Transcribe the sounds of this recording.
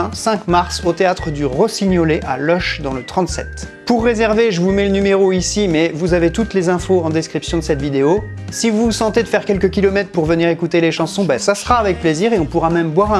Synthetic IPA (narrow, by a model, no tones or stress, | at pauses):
sɛ̃kmaʁsot̪eat̪χəd̪yʁəsiɲɔleʔa̰lɔʃd̪ɑ̃lət̪χɑ̃t̪sɛ̰t̪ | puʁːezɛʁveʒəvumɛlənymeʁoisimɛvuzavet̪ut̪lezɛ̃foɑ̃d̪eskχipsjɔ̃d̪əsɛt̪vid̪eo | sivusɑ̃t̪ed̪əfɛʁkʲɛlkəkʲilɔmɛt̪χpuʁvəniʁekut̪eleʃɑ̃sɔ̃bɛsasəχaːvɛk̚pleziʁeɔ̃puʁamɛmbwaʁɛ̃